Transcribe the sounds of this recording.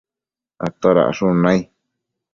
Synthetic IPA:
at̪oɾa̰ʔʂũnãj

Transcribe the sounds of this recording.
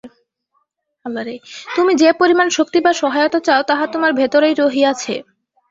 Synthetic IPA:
abaɾejt̪umid͡ʑepoɾimanʃok̚t̪ibaʃɔɦajot̪at͡ɕaot̪aɦat̪omaɾbʱet̪oɾejɾoɦiat͡ɕʰḛ

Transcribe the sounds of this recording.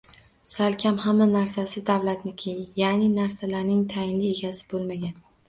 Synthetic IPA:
salkʲʰamhamːanaɾsasɪd̪avlat̪nɪkʲʰejjanɪnaɾsalaɾnɪŋt̪ʰajɪnlɪe̞ɡʲasɪ̥bolˠmaɡʲan

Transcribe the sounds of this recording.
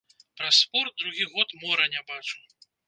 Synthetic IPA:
pɾasːpɔrt̪̚d̪ɾuɣʲiɣɔt̪mɔɾɐnʲabat͡ʂu̥

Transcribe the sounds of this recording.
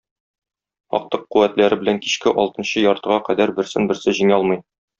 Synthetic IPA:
ɒ̰q̚t̪ɤqːuwæt̪læɾɘbɘ̆læŋki̥ɕkɘʔɒ̰lˠt̪ɤ̆nɕɤjɒɾt̪ɤ̆ʁɑqæd̪æɾbɘ̆ɾsɘnbɘ̆ɾsɘʑiŋæɒlˠmɤj

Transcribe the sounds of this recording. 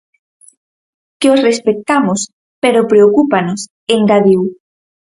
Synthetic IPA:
keosrespek̚t̪amos | peɾopɾeokupanos | eŋɡaðiw

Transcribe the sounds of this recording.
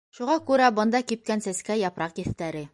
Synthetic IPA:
ʃuʁɑkʉɾæbɤ̆nd̪ɑkip̚kænsæskæjɑpɾɑqjɘ̆θt̪æɾɘ

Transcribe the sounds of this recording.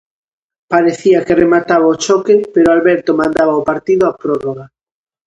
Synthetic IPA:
paɾeθiakɪremat̪aβaot͡ʃɔkɪpeɾoalβɛɾt̪omãnd̪aβaopaɾt̪iðʊapɾɔroɣa

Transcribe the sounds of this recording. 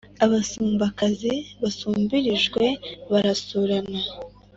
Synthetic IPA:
aβasuːmbakaziβasuːmbiɾiʒɡwe̞βaɾasuɾana

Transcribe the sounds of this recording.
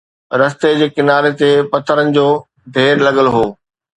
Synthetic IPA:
ɾɐst̪ed͡ʑeːkɪnaːɾet̪epɐt̪ʰəɾənɪ̆d͡ʑoː | d̪ʱeːɾlɐɠəlɦoː

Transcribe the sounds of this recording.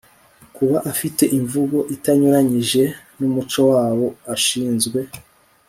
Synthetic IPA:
kuβaʔafite̞ʔiɱvuɡo̞ʔitaɲuɾaɲiʒe̞ | numut͡ʃo̞waːwo̞aʃiːnzɡwe̞

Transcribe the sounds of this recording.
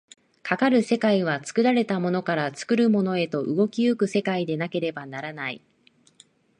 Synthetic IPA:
kakaɾɯ̟se̞kaiβ̞at͡sɨ̥kɯ̟ɾaɾe̞t̪amo̞no̞kaɾat͡sɨ̥kɯ̟ɾɯ̟mo̞no̞e̞t̪o̞ʔɯɡo̞kʲiɯkɯ̟se̞kaid̪e̞nake̞ɾe̞banaɾanai

